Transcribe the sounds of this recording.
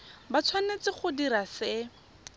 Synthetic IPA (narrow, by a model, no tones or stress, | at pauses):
bat͡sʰwanet͡sɪχʊdiɾasɪ